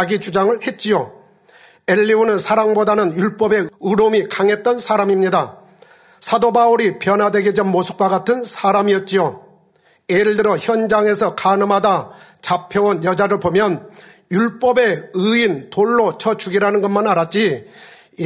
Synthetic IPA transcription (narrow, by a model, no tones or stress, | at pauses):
ɡid͡ʑud͡ʑaŋɯɭhe̞t̚t͡ɕ͈ijo | eʎːiunɯnsʰaɾaŋbodanɯnjuɭp͈ʌbe̞ɯɾomikaŋɦe̞t̚t͈ʌnsʰaɾamimɲida | sʰadobauɾipjʌnɦadwe̞ɡed͡ʑʌnmosʰɯ̥k̚waɡatʰɯnsʰaɾamijʌt̚t͡ɕ͈ijo | eɯɭdɯɾʌçjʌnd͡ʑaŋe̞sʰʌkanɯmadat͡ɕapʰjʌonjʌd͡ʑaɾɯɭpomjʌn | juɭp͈ʌbe̞ɯintoɭːot͡ɕʰʌt͡ɕuɡiɾanɯnɡʌnmanaɾat̚t͡ɕ͈i